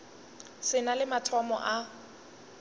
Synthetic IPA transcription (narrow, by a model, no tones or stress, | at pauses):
sɪnalɪmatʰɔmɔ̰ʔa